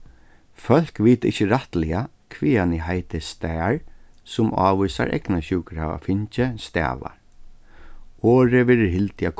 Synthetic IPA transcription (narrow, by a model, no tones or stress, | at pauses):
fœl̥kviːt̪ɪ̰ht͡ʃːəɾaht̪lɪa | kʰʋiːanɪɦajt̪ɪst̪ɛːɹ | sʊmɑ̰ːʋujsa̰ɾʔɛ̰knaɕuːkɾa̰ːʋa̰fɪɲt͡ʃɪst̪ɛ̰ːʋa̰ | ɔːɾɪʋɛːɾɪɦɪlt̪ɪak